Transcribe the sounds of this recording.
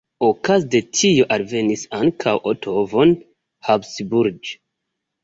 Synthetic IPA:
okazde̞tʰijo̞ʔalve̞nisaŋkʰawʔotʰo̞von | habsbuɾd͡ʒ

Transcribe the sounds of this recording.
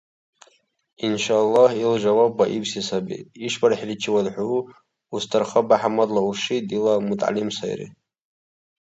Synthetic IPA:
inʃaːlːɑhilʒawabaʔibʰsisabḭiʂbaɾaħrit͡ʃʰɪwadħʷuu | ustʰarχəbaħamadlauʂitʼilamutʼa̰limsa̰j̰rḭ

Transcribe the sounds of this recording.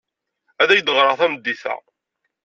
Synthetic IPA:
æðæjd̪əʁɾˤɑʁθæməd̪ːiθæ̰

